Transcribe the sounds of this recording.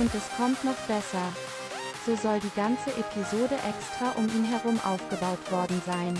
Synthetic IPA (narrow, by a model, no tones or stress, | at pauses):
ʔʊntɛskʰɔmtnɔχb̥ɛsɐ | z̥oːzɔldiːɡant͡səʔepʰizoːdəʔɛkstʁ̥aʔʊmiːnɦɛɐʁʊmʔa̰ʊfɡ̥əbaʊtv̥ɔɐdn̩zaɪn